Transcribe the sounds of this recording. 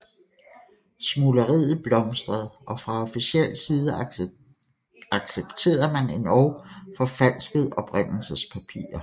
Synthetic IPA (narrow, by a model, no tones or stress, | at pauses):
smuləʁḭð̩ˠb̥lɒ̽msd̥ʁɐð̩ˠʔɒ̽fʁɑ̈ɒ̽fisiel̰siːð̞ˠə | ɑ̈ɡ̥seb̥t͡sʰe̝̰ːɐmæne̝nɒʊfɒ̽fæl̰sɡ̥əð̩ˠɒ̽b̥ʁen̰l̩səspʰæpʰḭːɐ